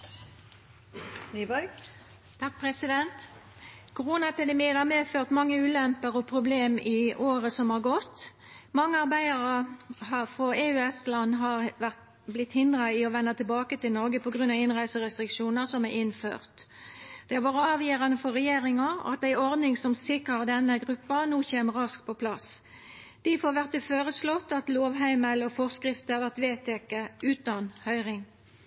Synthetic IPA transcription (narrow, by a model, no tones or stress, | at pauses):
nibɔ | t̪ʰɑk̚pʰɾɛsɪd̪ɛnt̪ | kʰʊʁuːnɑɛpɪd̪ɛmiːənhɑʁmeːføːʁt̪mɑŋːəʉːlɛmpəʁɔpʰʁʊbleːmɪʔoːʁəsɔmhɑːʁɡɔt̪ː | mɑŋːəɑʁbæɪəʁəhɑfʁɔeːʉːɛslɑnːɦɑʁʋæʁt̪ | blɪt̪ːhɪnd̪ʁɑɪɔʋɛnːət̪ʰɪlbɑːkət̪ɪlnɔʁɡəpʰɔɡʁʉnɑʋɪnʁæɪsəʁɛst̪ʁɪkʂuːnəʁsɔmæɪnfø̰ːʁt̪d̪̥ɛɑʋɑːʁəɑːʋjøːʁɑnəfɔʁɛjeːʁɪŋɑɑ̰t̪æɪɔʁd̪nɪŋsɔmsɪkʁəʁd̪ɛnːəɡʁʉpːɑnuːçeːməʁɑskpʰɔpʰlɑs | d̪̥ɪfɔɾʋæʁt̪əføːʁəslɔt̪ːɑt̪loːʋɦæɪməlɔfɔʁskʁɪft̪əhɑʁʋæʁt̪ʋeːt̪ʰɛkːəʉːt̪ɑnhœʏʁɪŋ